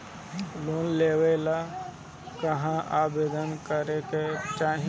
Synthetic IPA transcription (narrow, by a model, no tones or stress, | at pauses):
loːnleːwela | kəɦãʔaːbeːd̪ənkəɾeket͡ʃaːɦ